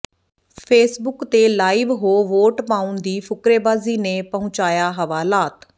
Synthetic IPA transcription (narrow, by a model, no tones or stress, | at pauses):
pʰeːsbʊkt̪eːlaːiːʋɦoːʋoːʈpãːʊnd̪iːpʰʊkɾeːbaːziːneːpəɦʊ̃t͡ʃaːjaːɦəʋaːlaːt̪